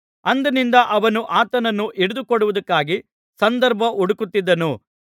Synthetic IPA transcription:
ɐnd̪ɐnind̪ɐʔɐʋɐnuʔaːt̪ɐnɐnːuʔiɽud̪ukɔɽuʋud̪ɐkːaːɡi | sɐnd̪ɐɾbʱɐʔɔɽukut̪ːid̪ːɐnu

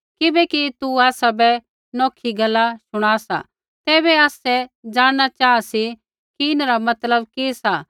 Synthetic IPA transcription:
kɪbɛkit̪uaːsabɛ | nɔːkʰiɡɐlːasʊɽ̃aːsa̰ | t̪ɛːβɛaːsɛd͡ʒaːɽɽ̃at͡ʃaːasi | kiɪnɾamɐt̪ləbkesa

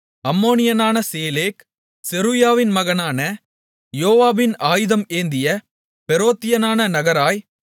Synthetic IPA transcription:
ɐmːoːnɪjɐnaːnɐseːleːk | sɛɾujaːʋɪnmɐɣɐnaːnɐ | joːʋaːbɪnaːjɯðɐmeːnd̪ɪjɐ | pɛɾoːt̪ːɪjɐnaːnɐnɐɣɐɾaːj

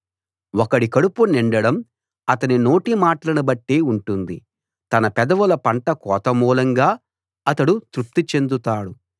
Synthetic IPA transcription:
wɔkɐɽikɐɽupuniɳɖɐɽɐm | ɐt̪ɐnino̞ːʈimaːʈɐlɐnubɐʈːeːuɳʈund̪i | t̪ɐnɐpɛd̪ɐʋulɐpɐɳʈɐkɔːt̪ɐmuːlɐŋɡaː | ɐt̪ɐɽut̪ɾup̚t̪it͡ʃe̞nd̪ut̪aːɽu

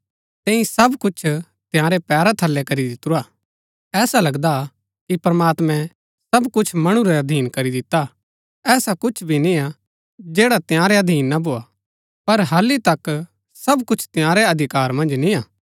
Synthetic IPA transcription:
t̪ɛ̃ːĩsɐbkʊt͡ʃʰ | t̪ɪjãːɾepɛːɾat̪ʰɐlːɛkɐɾid̪ɪt̪ːuɾaː | ɛːsalɐɡd̪a | kipɾɐmaːt̪mɛ̃ | sɐbkʊt͡ʃʰmɐɽ̃ũɾeɐd̪ʱiːnkɐɾid̪ɪt̪ːa | ɛːsakʊt͡ʃʰbʱinĩa | d͡ʒeːɽat̪jãːɾeɐd̪ʱiːnːabʱoːa | pɐɾɦɐlːit̪ɐk | sɐbkʊt͡ʃʰt̪ɪ̃jãːɾeɐd̪ʱɪkaːɾmɐ̃nd͡ʒnĩaː

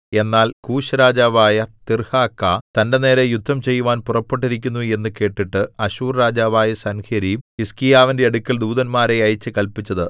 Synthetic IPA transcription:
e̞nːaːlkuːɕɐɾaːd͡ʑaːʋaːjɐt̪irhaːkːɐt̪ɐnde̞ne̞ːɾejud̪ʱːɐmt͡ɕe̞jːuʋaːnpurɐpːeʈːiɾikʲːunːue̞nːɨke̞ːʈːiʈːɨɐɕuːrɾaːd͡ʑaːʋaːjɐsɐnkʰeɾiiskijaːʋinde̞ɐɽukʲːɐld̪uːðɐnmaːɾeɐjt͡ɕːɨkɐlpit͡ɕːɐðɨ

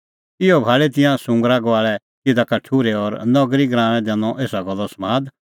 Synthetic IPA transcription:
ɪɔbʱaːɭet̪̬ɪ̃jãsʊ̃ŋɡɾaɡaːɭɛ | tɪd̪akɐʈʰːuːɾeɔɾnɔɡɾiɡɾãːɽ̃ɛ̃d̪ɛːnɔʔeːsaɡɔlːɔsmaːd̪

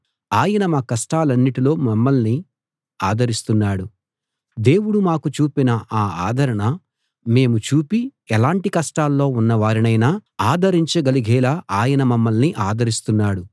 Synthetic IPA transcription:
aːjɐnɐmaːkɐʂʈaːlɐnːiʈilo̞ːmɐmːɐlni | aːd̪ʱɐɾist̪unːaːɽu | d̪e̞ːwuɽumaːkut͡ʃuːpinɐʔaːaːd̪ʱɐɾɐɳɐ | me̞ːmut͡ʃuːpiɛlaːɳʈikɐʂʈaːlːo̞ːunːɐʋaːɾinɐjnaːaːd̪ʱɐɾiɲt͡ʃɐɡɐliɡʱɛːlaːʔaːjɐnɐmɐmːɐlniʔaːd̪ʱɐɾist̪unːaːɽu

